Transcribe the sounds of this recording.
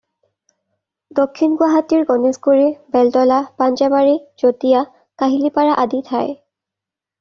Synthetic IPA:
dokʰːinɡwaɦatiɹɡɔnesɡuɹibɛltɔlapand͡ʒabaɹiz̥otija | kaɦilipaɹaʔaditʰaj

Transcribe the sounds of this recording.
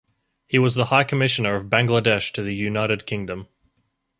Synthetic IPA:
hiwʌzðəhaɪkʰɨmɪʃɨ̃nə˞ʌvbæ̃ŋɡlədɛʃtʰɨðɨjʉnaɪɾɨd̚kʰɪ̃ŋdɨ̃m

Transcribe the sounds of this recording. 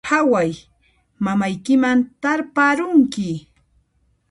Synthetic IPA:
hawaj | mamajkɪmant̪aɾpaɾʊŋkɪ

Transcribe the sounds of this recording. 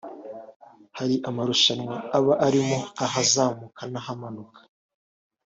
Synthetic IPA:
haɾiʔamaɾuʃanwaaβaʔaɾimoaɦazaːmukanahamanukʰḁ

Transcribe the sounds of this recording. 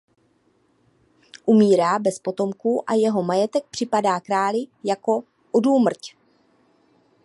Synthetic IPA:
ʔumiːɾaːbɛspo̞t̪o̞mkuːʔa̰jɛɦo̞majɛt̪ɛk̚pr̥ɪpadaːkɾaːlɪjako̞ | ʔoduːmr̩c

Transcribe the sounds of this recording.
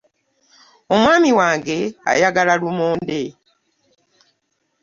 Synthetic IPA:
o̞mwaːmiwaːŋɡe̞a̰jaɡalalumoːnde̞

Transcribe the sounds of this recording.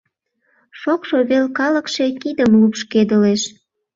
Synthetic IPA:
ʃokʃoβelkɑləkʃe̽kid̪əmlupʃked̪əleʃ

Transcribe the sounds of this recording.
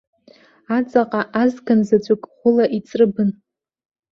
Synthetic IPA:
at͡sʼaqʼaʔazɡanzad͡ʒʷʼakʼχʷʊlaʔit͡sʼrɨbɨn

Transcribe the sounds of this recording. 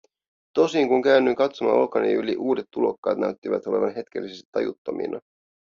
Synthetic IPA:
t̪o̞siŋkuŋkæynːyiŋkɑt̪somɑ̰o̞̰lkɑniyliʔuːdet̪ːulo̞kːɑ̰ːt̪næyt̪ːiʋæt̪o̞le̞ʋɑnɦe̞t̪k̟elːisest̪i̥t̪ːɑ̰jut̪ːɑmḭnɑ

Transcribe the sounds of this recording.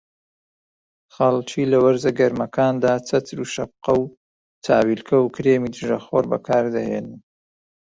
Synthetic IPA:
χɐlˠt͡ʃiːlɐwɐɾzɐɡɐɾmɐkʰaːnd̪aːt͡sʰɐt̪ʰɾuːʃɐb̚qɐw | t̪ʰaːwilkʰɐwkɾeːmiːd̪ɨʒɐxoɾbɐ̰kʰaːɾd̪ɐhḛːnɨn

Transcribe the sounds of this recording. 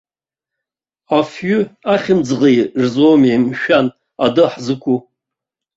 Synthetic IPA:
afɥʏaχʲɪmd͡zʁejʐzomimʃᶣan | adɨħzɨkʷʼu

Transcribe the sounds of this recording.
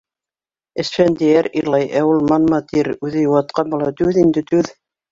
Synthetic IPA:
ɘ̆sfænd̪æjæɾiɾlˠɑjʔæulˠmɑnmɑt̪iɾʉðɘjuwɑt̪̚qɑnbolˠɑt̪ʉðind̪ɘt̪ʉð

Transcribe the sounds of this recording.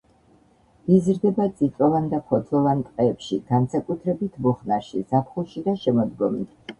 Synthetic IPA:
izɾd̪ɛbad̪z̥ʼit̪sʼɔvand̪aχʰɔd̪zɔvant̪ʼqʼɛːpʃiɡ̥ansakʼut̪ʰɾɛbit̪ʰmuχnaʃizapʰχulˠʃid̪aʃɛmɔd̪ɡɔmit̪ʰ

